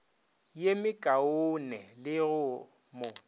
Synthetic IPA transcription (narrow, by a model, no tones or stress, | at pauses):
jemɪkʼaʊnɛlɪɣʊ | mʊ